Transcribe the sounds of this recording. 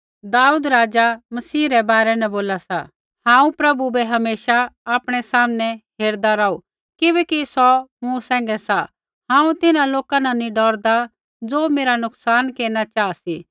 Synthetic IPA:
d̪aːuːd̪ɾaːd͡ʒamɐsiːɾɛbaːɾɛnɛ̃boːlasa | hãːũpɾɐbubɛɦɐmeːʃaaːpɽ̃ɛsaːmnɛɦeːɾd̪aɾaːu | kɪbɛːkisɔmũsɛ̃ːŋ̆ɡɛsa | ɦãːũt̪ɪnãloːkananĩɖɔːɾd̪a | d͡zoːmeːɾanʊksaːnkeːɾnat͡ʃaːasi

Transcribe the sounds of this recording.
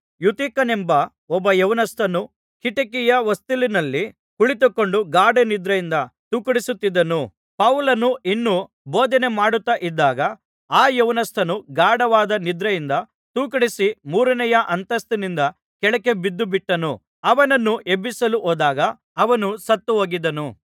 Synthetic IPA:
jut̪iːkɐnembɐ | ɔbːɐjɐʋnɐst̪ʰɐnu | kiʈɐkijɐʋɐst̪ilinɐlːi | kuɭit̪̬ukːo̞ɳɖuɡaːɖenid̪ɾɐjind̪ɐt̪uːkɐɽisut̪ːid̪ːɐnu | pɐʋlɐnuʔinːu | boːd̪ɐne̞maːɽut̪ːɐʔid̪ːaːɡɐ | aːjɐʋnɐst̪ʰɐnuɡaːɖɐʋaːd̪ɐnid̪ɾɐjind̪ɐ | t̪uːkɐɽisimuːɾɐnɛjɐʔɐnt̪ɐst̪ɐnind̪ɐ | kɛɭɐke̞bid̪ːubiʈːɐnu | ɐʋɐnɐnːuʔebːisɐluʔoːd̪aːɡɐː | ʋɐnusɐt̪ːuɦoːɡid̪ɐnu

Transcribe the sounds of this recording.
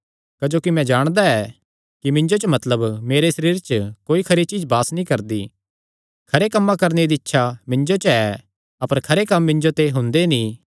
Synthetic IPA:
kɐd͡ʒoːkimɛ̃d͡ʒaːɽ̃d̪aɛː | kimɪ̃ɲd͡ʒot͡ʃəmɐt̪ləbmeːɾesɐɾiːɾt͡ʃəkoːikʰɐɾit͡ʃiːd͡ʒbaːsnĩkɐɾd̪ḭ | kʰɐɾekɐmːãkɐɾneɾd̪iɪtːʃʰamɪ̃ɲd͡ʒot͡ʃɛ | ɐpəɾkʰɐɾekɐmːɪ̃ɲd͡ʒot̪eɦʊ̃nd̪enĩ

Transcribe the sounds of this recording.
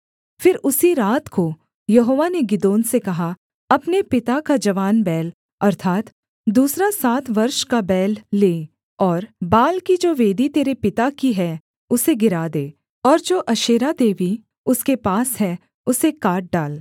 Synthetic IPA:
fɪɾʊsiɾaːt̪ko | jɐɦoːʋaneɡɪd̪oːnsekɐɦa | ɐpnepɪt̪akad͡ʒɐʋaːnbɛːl | ɐɾt̪ʰaːt̪ | d̪uːsɾasaːt̪ʰʋɐɾʃkabɛːlːeː | ɔːɾbaːlkid͡ʒoːʋeːd̪it̪eːɾepɪt̪akiɦɛ | ʊseɡɪɾaːd̪eː | ɔːɾd͡ʒoːʔɐʃeːɾad̪eːʋi | ʊskepaːsɦɛ | ʊsekaːʈ̚ɖaːl

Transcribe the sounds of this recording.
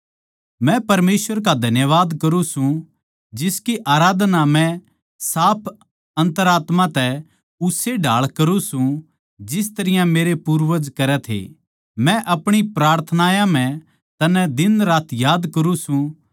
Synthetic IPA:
mɛ̃pɐɾmeːsʋəɾk̬ad̪ʱɐnjəʋaːd̪kɐɾũsũ | d͡ʒɪskiʔaːɾaːd̪namɛ̃ | saːpʰ | ɐ̃nt̪əɾaːt̪mãt̪ɛ | ʊseɖʱaːɭkɐɾũsũ | d͡ʒɪs̬t̪ɐɾɪjãmeːɾepuːɾʋəd͡ʒkɐɾɛt̪ʰḛ | mɛ̃ʔɐpɽ̃ipɾaːɾt̪ʰənaːjãm̤ɛ̃ | t̪ɐnɛd̪ɪnɾaːt̪ʰjaːd̪kɐɾũsũ

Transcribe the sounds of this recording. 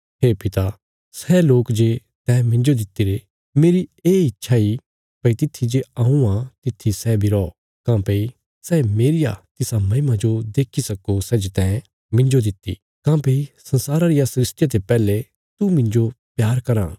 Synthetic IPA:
ɦeːpɪt̪a | sɛloːkd͡ʒe | t̪ɛ̃ːmɪ̃ɲd͡ʒod̪ɪt̪ːiɾe | meːɾieːɪtːʃʰai | pɐit̪ɪt̪ʰːid͡ʒeaːũãt̪ɪt̪ʰːisɛbʱiɾɔ | kãːpei | sɛmeːɾɪja̰t̪ɪsamɐɦɪmad͡ʒod̪eːkʰisɐkosɛd͡ʒet̪ɛ̃ː | mɪ̃ɲd͡ʒod̪ɪt̪ːḭ | kãːpeːisɐ̃nsaːɾaɾɪjasɾɪsʈɪjat̪epɛːle | t̪umɪ̃ɲd͡ʒopjaːɾkɐɾãː

